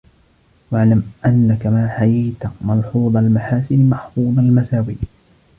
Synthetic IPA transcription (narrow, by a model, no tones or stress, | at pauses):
waʕlamʔanːakamaːħajajt̪amɑlħuːðˤɑlmaħaːsɪnmɑħfuːðˤalmasaːwiː